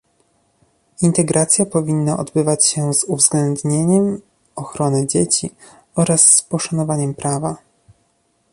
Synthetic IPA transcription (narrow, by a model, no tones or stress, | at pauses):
int̪ɛɡɾʔat̪sʲjapɔvʲinːaʔɔ̰d̪bɘvat͡ɕɕɛzuvzɡlɛnd̪ɲeɲɛm | ɔxɾɔnɘd͡ʑet͡ɕi | ɔɾasːpɔʂanɔvaɲɛmpɾava